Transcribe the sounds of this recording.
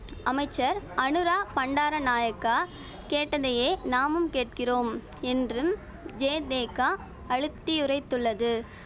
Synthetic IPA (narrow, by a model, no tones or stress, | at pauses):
ɐmɐɪt͡ʃːɐɾɐnɯɾaːpɐɳɖaːɾɐnaːjɐkːaː | keːʈːɐðɐjeːnaːmɯmkeːʈ̚kɪroːm | ɛndrɯm | d͡ʒeːd̪eːka | ɐɻɯt̪ːɪjʊrɐɪt̪ːɯɭːɐðɯ